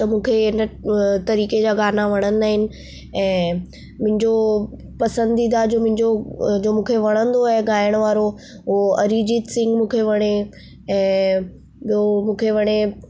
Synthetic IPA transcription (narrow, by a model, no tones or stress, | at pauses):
t̪ɐmũːkʰeɪnət̪ɐɾiːked͡ʑaːɡaːnaʋɐɽ̃ə̃n̆d̪aːɦɪnɪ̆ | ɛ̃ː | mʊ̃ɦɪ̃ɲd͡ʑo | pɐsə̃nd̪id̪ad͡ʑoːmʊ̃ɦɪ̃ɲd͡ʑod͡ʑoːmũːkʰeʋɐɽ̃ə̃nd̪oɦeɡaːɪəɽ̃ʋaːɾo | ɦuɦoɐɾid͡ʑit̪sɪ̃ŋɡmũːkʰeʋɐɽ̃e | ɛ̃ː | ɓiomũːkʰeʋɐɽ̃e